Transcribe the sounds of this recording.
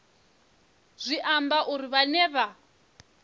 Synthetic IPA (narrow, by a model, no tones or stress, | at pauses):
z̥ʷiʔambaʔuɾiβanɛːβa